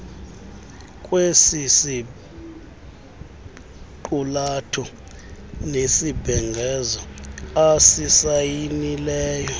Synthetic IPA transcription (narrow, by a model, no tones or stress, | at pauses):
kʼwesisi | ǃulatʰɔ | nesibʱɛŋɡʱɛzɔasisajinilɛːjɔ